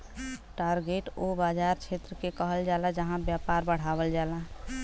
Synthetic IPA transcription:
ʈaɾɡeʈobad͡ʒaɾt͡ʃʰet̪ɾəkekəɦəld͡ʒalad͡ʒəɦãbjapaɾbəɽ̤abəld͡ʒala

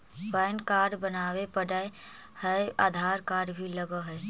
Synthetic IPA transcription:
baːɪnkaːɾɖbənaːwepəɽəe | həa̰ːd̪ʱaːɾkaːɾɖbʱiləɡəɦɛ

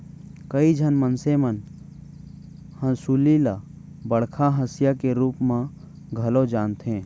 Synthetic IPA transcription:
kəid͡ʒʱənmənsemən | hə̃suːlila | bəɽ̤kʰaɦəsjakeɾuːpmã | ɡʱɐlod͡ʒaːnt̪ẽː

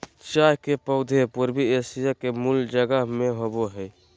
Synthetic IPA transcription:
t͡ʃaɦkepəʊd̪ʱepuɾbiesijakemuld͡ʒəɡəɦmeɦoboɦəj

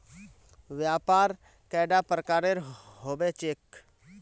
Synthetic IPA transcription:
ʋjaːpaːɾ | kɛɪɖapɾəkaːɾeɾɦoːbet͡ʃeːk

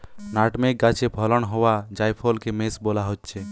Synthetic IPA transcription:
naʈmek̚ɡat͡ʃʰebʱɔlɔnɦowad͡ʒajpʰolkemesbolaɦotːʃʰe

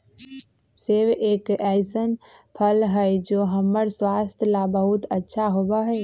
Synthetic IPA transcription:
seʋeːkɛsənpʰəlɦəjd͡ʒoːɦəmːəɾswaːst̪ʰjəlabəɦʊt̪ətːʃʰaɦoːbaɦɛː

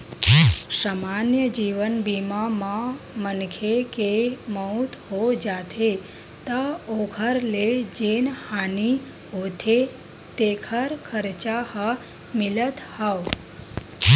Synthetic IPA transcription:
samanjəd͡ʒiʋənbimamã | mənkʰekeməut̪ʰɦod͡ʒat̪ʰe | t̪əokʰəɾled͡ʒenhani | ɦot̪ʰe | t̪ekʰəɾkʰəɾt͡ʃahə | mɪlət̪haʋ

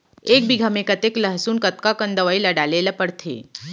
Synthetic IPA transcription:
ek̚biɡʱamekət̪ekləɦsuːnkət̪kakənd̪əʋailaɽalelapəɽt̪ʰḛ

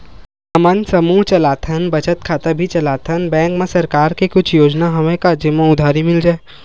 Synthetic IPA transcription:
ɐmə̃nsɐmuːɦt͡ʃɐlaːt̪ʰənbɐt͡ʃət̪kʰaːt̪abʱit͡ʃɐlaːt̪ʰənbɛ̃ːŋkmẽsɐɾkaːɾkekʊt͡ʃʰjoːd͡ʒnaɦɐmẽkad͡ʒemõʊd̪ʱaːɾimɪld͡ʒaːe

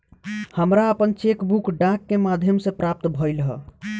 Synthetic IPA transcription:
həmɾaəpənt͡ʃekbukɖãkːemad̪ʱjəmsẽpɾap̚t̪bʱɔjlɦə̰

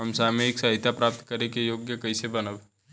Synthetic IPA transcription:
ɐmsamẽeːksaɦɪt̪japɾaːp̚t̪kɐɾekejoːɡjəkɐisebɐnəb

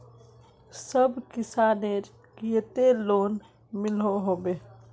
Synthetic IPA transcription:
səbʱkisaneɾ | kijt̪elon | miloɦobe

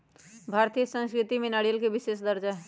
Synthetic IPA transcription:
bʱaːɾt̪ijəsə̃nskɾɪt̪imẽnaːɽijəlkeʋɪʃeːsd̪əɾd͡ʒaɦɛ

